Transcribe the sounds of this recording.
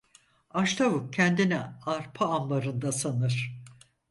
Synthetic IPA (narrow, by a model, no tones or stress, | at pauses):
aʃt̪ʰavuk̚cʰɛnd̪inɛaɾpʰaamlaɾɯnd̪asanɯɾ̥